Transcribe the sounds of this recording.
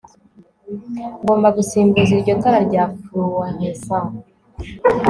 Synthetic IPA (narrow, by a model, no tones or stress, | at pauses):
ŋɡo̞ːmbaɡusiːmbuziɾɟotaɾaɾɟafuɾuwaɲesa